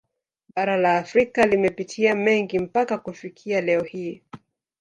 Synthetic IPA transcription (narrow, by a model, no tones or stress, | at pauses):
ɓaɾalaːfɾikalimɛpitʰiamɛŋɡim̩pakakufikʰialɛɔhi